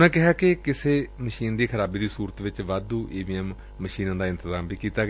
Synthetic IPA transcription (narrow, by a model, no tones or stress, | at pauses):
ɛ̃ːkɪɦaːkɪkɪseːməʃiːnd̪iːkʰəɾaːbiːd̪iːsuːɾət̪ʋɪt͡ʃʋaːd̪uːʔeːbiːɛmː | əʃiːnãːd̪aːɪ̃nt̪əzaːmbiːkiːt̪aːɡ